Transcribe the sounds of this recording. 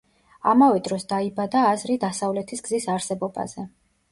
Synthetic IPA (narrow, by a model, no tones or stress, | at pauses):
a̰mavɛd̪ɾɔsd̪aibad̪aːzɾid̪asavlɛt̪ʰisɡzisaɾsɛbɔba̰z̥ɛ